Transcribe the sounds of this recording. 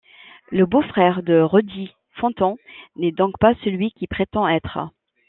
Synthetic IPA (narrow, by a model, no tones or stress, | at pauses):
ləbofχɛʁd̪əʁɔd̪i | fɑ̃t̪ɑ̃nɛd̪ɔ̃kpasəlɥikʲipχet̪ɑ̃ɛt̪χə